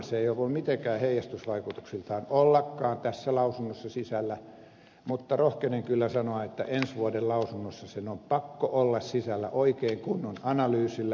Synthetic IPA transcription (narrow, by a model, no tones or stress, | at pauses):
seeiolumit̪eŋkæːheijˑɑst̪ysʋɑikut̪u̥ksilt̪ɑːnolːɑkːɑːnt̪æsːælɑusunːosːɑsisælːæ | mut̪ːɑrohkeneŋkylːæsɑnoɑet̪ːæ̰ʔensʋuodellɑusunːosːɑsenompɑkːoʔolːɑssisælːæ̰ʔoikeːŋkunːonɑnɑlyːsilːæ